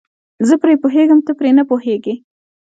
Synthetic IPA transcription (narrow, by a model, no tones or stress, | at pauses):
zəpɾepoɦeɡəmt̪əpɾenəpoheɡe